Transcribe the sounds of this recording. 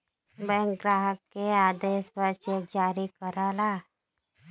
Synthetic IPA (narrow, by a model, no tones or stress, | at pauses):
bɛ̃ːŋkɡɾaːɦəkːeaːd̪eːspəɾt͡ʃed͡ʒaːɾikəɾaːlaː